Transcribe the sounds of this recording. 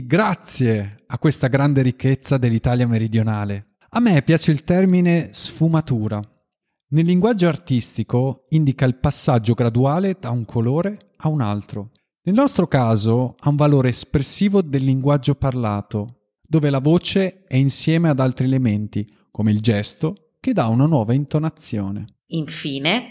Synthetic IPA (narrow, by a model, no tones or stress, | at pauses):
ɡɾat̪sːjeakːwest̪aɡɾand̪eɾikʰːet̪sːad̪elːit̪aːljameɾid̪jonaːle | amːepːjaːt͡ʃeilt̪ɛrminesfumat̪uːɾa | nelːiŋɡwad͡ʒːoart̪ist̪ikoind̪ikailpasːad͡ʒːoɡɾad̪uaːled̪auŋkʰoloːɾe | auna̰lt̪ɾo | nelnɔst̪ɾokaːzoauɱvaloːɾeːspɾesːiːvod̪elːiŋɡwad͡ʒːoparlaːt̪o | d̪oːvelavoːt͡ʃeɛinsjɛːmead̪alt̪ɾielement̪i | komeild͡ʒɛst̪o | ked̪ːaunanwɔːvaint̪onat̪sːjoːnḛ | iɱfiːne